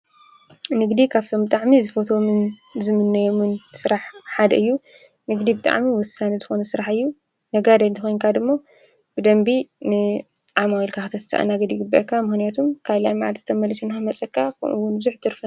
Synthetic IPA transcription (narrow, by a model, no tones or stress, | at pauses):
nɨɡd̪ikʰaβt̪ʰo̞mbɨt̪ʼaʕmizɨfot̪ʰo̞mɨnzɨmɨnːɐjomɨnsɨɾaħħad̪ɐɨjːu | nɨɡd̪ibɨt̪ʼa̰ʕmiwɔsanɐzɨxo̞nɐsɨɾaħɨjːu | nɐɡad̪ɐjnt̪ʰɐxo̞jnkʰad̪ɨmːo | bɨd̪ɐmbinɨ | ʕamawilkʰaxɨt̪ʰɐt̪ʰɨ̥sa̰ʔa̰naɡɐd̪jɪɡɨbːɐ̰ʔkʰːamɨxnijat̪ʰumkʰaβla̰jmaʕalt̪ʰɨt̪ʰɐmɐlisunxamɐt͡sʼɐkʰːakʰɐ̰mʔṵwʊnbɨzuħt̪ʰɨɾfɐn